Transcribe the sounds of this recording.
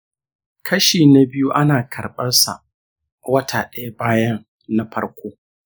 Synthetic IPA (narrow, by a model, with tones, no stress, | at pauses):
kʰɐ˦ʃiː˨na˨bɪ˦ju˦ʔa˦naː˨kʰɐ˨rɓɐ˦rsa̰˨ | wɐ˦tʰaː˨ɗɐ˦ja˦baː˦jɐ˦ŋ | na˦ɸɐ˦ɽkʷoː˦